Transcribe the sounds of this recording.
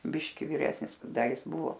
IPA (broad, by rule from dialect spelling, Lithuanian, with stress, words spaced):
ˈbʲɪʃʲkʲɪ ʋʲɪˈrʲæːsʲnʲɪs ˈdɐ ˈjɪs ˈbʊʋoː